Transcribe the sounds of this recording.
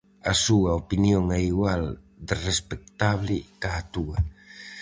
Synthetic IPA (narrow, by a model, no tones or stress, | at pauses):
asuɐopinjoŋɛiɣwal | d̪ɪrespek̚t̪aβlɪkaːt̪uɐ